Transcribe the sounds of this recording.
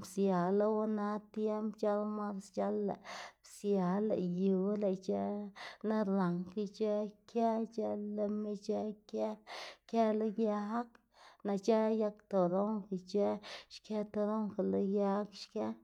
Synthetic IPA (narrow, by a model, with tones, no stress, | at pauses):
bsja˨la˦wna˧t̪je˦mbt͡ʃa˦lma˦ɾst͡ʃa˦lːa̰˨bsja˨la̰˨ju˨˦le˨t͡ʃe˦na˦ɾa˨ŋki˧t͡ʃe˦kʰe˦t͡ʃa˦lːa˧me˦t͡ʃe˦ke˦ke˦lo˦ja˧˦k | na˧t͡ʃa˦ja˦kt̪o˨d̪o˦ŋki˨t͡ʃe˦ʃke˦t̪o˧d̪o˦ŋka˨lo˦ja˦kʃke˦